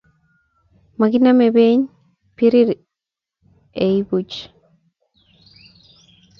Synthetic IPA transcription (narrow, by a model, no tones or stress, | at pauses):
makinamebeɲ | piɾiɾ | eibut͡ʃ